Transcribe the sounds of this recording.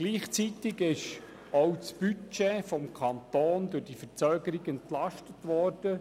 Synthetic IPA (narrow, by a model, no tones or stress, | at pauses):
ɡliːχt͡sit̪ɪɡɪʃ | ɔwt͡sb̥yt͡ʃeːfɔmkʰɑnt̪oːndɵrdifət͡sœːɡəɾiɡɛntlɑʃtətʋɔːrd̥ə